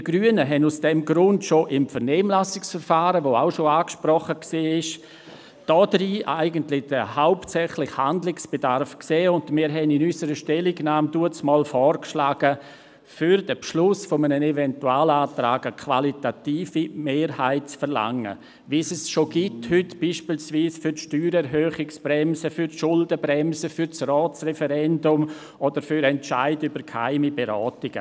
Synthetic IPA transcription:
d̥iɡ̥ɾyənəɦɛnusd̥ɛmɡɾʊntʃoʔɪmfɛɾnɛːmlasɪksfɛɾfaːɾəʋoaʊʃoaːkʃpɾɔχəksiːɪʃ | d̥ɔdɾiːʔaɪɡəntlɪd̥əhaʊptsɛχlɪxhandlɪksb̥edaɾfkseːʊndmɪːɾɦɛnɪnysəɾəʃtɛlɪɡnaːmd̥uət͡smɔːlfɔːɾkʃlaːɡ̥ə | fyɾd̥əpʃlʊsfɔmənənevɛntuaːlaːtɾaːɡəkʰvalitatiːfimeːɾhaɪt̚t͡sfɛɾla̰ŋə̰ | ʋisɛsʃoɡ̥ithʏtb̥iːʃpiːlsviːsfyɾtʃtyːɾɛɾɦøːχɪksb̥ɾɛmsəfyɾʃʊldəbɾɛmsəfyɾt͡srɔːt͡srɛfɛɾɛndʊm | od̥əɾfyɾɛnt͡ʃa̰ɪdybəɾkʰha̰ɪmibeɾɔːtɪɡ̥ə̰

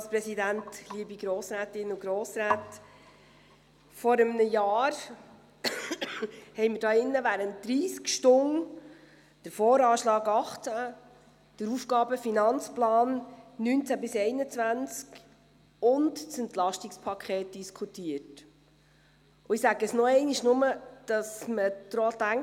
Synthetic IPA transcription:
ɑlspɾɛsidæntliəbiɡɾoːsɾæːtɪnʊɡ̥ɾoːsɾæːt | fɔɾəmnəjɑːɾ | hɛɪjməɾd̥ɑːɪnːəʋæɾəntd̥ɾiːskʃtʊŋ | d̥əɾfɔːɾɑːʃlɑːɡɑχt͡sæ | d̥əɾufɡ̥ɑːbəfinɑnt͡splɑːnːynt͡sæbɪsɛɪnət͡svænt͡sk | ʊndsɛntlɑʃtɪkspʰɑkʰɛːt̚d̥iskʰutiət | ʊɪsæɡəəsnɔɛɪniʃnʊməd̥ɑsməd̪̥ɾoːt̪æŋ

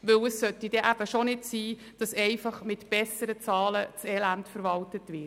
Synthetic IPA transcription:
ʋɵwəssœtːid̥ɛʔæb̥əʃonɪdsiː | d̥ɑsɛɪfɑχmɪtb̥ɛsəɾət͡sɑːlət͡sɛlæntfəɾʋɑltətʋɪ

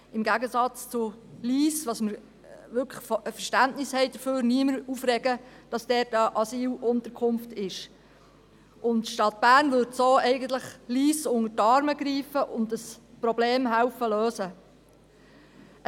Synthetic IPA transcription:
ɪmɡæɡəsɑt͡st͡sʊliːsʋɑsməɾ | ʋʏkʰə̥χəfəʃtæntnɪshɛɪd̥əføːɾniəməɾuːfrɾɛɡəd̥ɑsd̥ɛːtəʔɑsiːlʔʊnt̪əkʰʊnftɪʃ | ʔʊntʃtɑt̚b̥æːɾnvʏɾdsoːɛɪɡəntləχliːsʊŋətɑɾməɡɾiːfəʔʊndəspɾɔbleːmɦæwfəløːsə

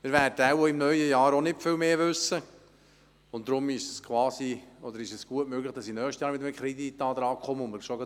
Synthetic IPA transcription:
mɪːɾvæɾdəawoɪmnœɥjəjɑːɾonɪtfɪlmeːʋʏsə | ʊntt̪ːɾʊmɪʃskʰwɑːsiɔd̪əɾɪʃɛsɡ̥uətmøːɡləχd̥ɑsinœːχʃtəjɑːɾʋɪd̪əməkʰχɾid̪it̪ːɑːd̪ɾɑːkχɔməʊmːəɾʃɔɡɑ

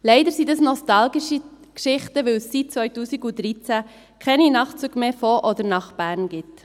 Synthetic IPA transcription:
lɛɪdəɾsidəsnɔstɑlɡiʃi | kʃɪχtəʋɪlsːit̚t͡sʋœʏtuːsiɡudɾit͡sæ | kʰɛninɑχt͡suɡ̥meːfɔʔɔd̪əɾnɑχb̥æːɾnɡ̥ɪt

